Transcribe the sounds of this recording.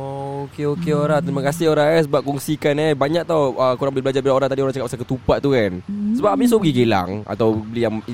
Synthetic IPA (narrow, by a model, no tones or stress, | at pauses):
ookeokeoɾãht̪ɾimakasɪhoɾaŋasəbap̚kɔŋsikanɛbaɲak̚t̪awʔəkuɾaŋbəlɪhbəlad͡ʒaɾbilaoɾaŋt̪adioɾaŋt͡ʃakap̚asakət̪upaʔ̪t̪ːukansəbap̚amis̬opəɡiɡela̰ŋa̰t̪awbəlijaŋ